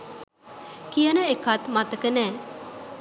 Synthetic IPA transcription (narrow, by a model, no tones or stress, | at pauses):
kijənəekat̪mat̪əkənɛː